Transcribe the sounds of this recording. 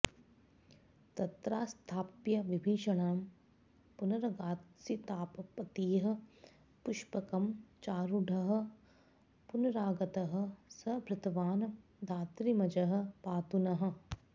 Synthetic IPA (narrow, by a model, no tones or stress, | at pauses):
t̪ɐt̪ɾaːst̪ʰaːpjɐʋibʱiːʃɐɳaːm | punɐɾɐɡaːt̪sit̪aːpɐpɐt̪iːɦɐ̆ | pʊʃpɐkɐmt͡ʃaːɾuɖʱɐɦɐ̆ | punɐɾaːɡɐt̪ɐɦɐ̆sɐbʱɾɐt̪ʰɐʋaːnd̪ʱaːt̪ɾimɐd͡ʒɐɦɐ̆paːt̪unɐɦə̆